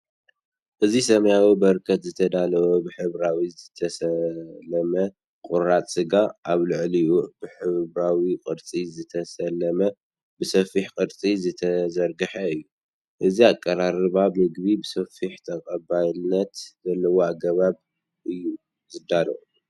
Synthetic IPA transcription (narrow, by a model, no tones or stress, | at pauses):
ʔɨzisɐmɐjawibɐɾkʰɐt̪zɨt̪ʰɐd̪alɐwobɨħɨβɾawizɨt̪ʰɐsɐlɐmɐ | kʼuɾat̪ʼsɨɡaʔaβlɨʕliʔub̥ɨħɨβɾawikʼɨɾt͡sʼizɨt̪ʰɐsɐlːɐmɐ | bɨsɐfiħkʼɨɾt͡sʼizɨt̪ʰɐzɐɾɡɨħɐɨjːu | ʔɨziakʼːɐɾaɾɨβaβmɨɡβibɨsɐfiħt̪ʰɐkʼɐbajnːɐt̪zɐlːɐwoaɡɐβaβ | ʔɨjːu | zɨd̪alɐ̰ʔu